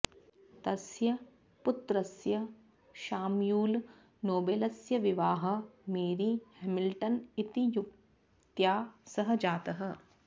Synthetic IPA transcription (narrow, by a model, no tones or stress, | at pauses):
t̪ɐsjɐ | pʊt̪ɾɐsjɐ | ʃaːmjuːl | noːbeːlɐsjɐʋiʋaːɦɐ̆meːɾihemilʈɐnit̪ijuk | t̪jaːsɐɦɐ̆d͡ʒaːt̪ɐɦɐ̆